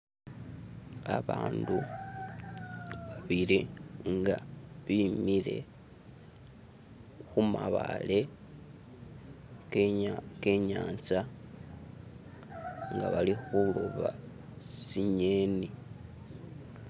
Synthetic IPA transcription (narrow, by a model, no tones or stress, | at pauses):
aβaːndu | aβiliŋɡaβimile̞̰ | xumaβale̞ | keɲaːnt͡sa | ŋɡaβalixuluβa | siɲeːni